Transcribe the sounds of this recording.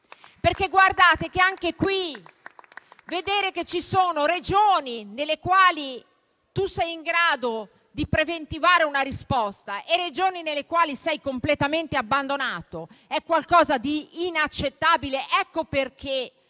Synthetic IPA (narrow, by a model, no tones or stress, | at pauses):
perk̟eɡward̪aːt̪ekeaŋkekwi | ved̪eːɾeket͡ʃːisoːnoɾed͡ʒoːninelːekwaːli | t̪usɛjiŋɡɾaːd̪o | d̪ipɾevent̪ivaːɾeunaɾispɔst̪aʔered͡ʒoːninelːekwaːlisɛjkomplet̪ament̪eabːand̪onaːt̪oɛkːwalkɔːzad̪iːnat͡ʃːet̪ːaːbileʔɛkːoperk̟ʰe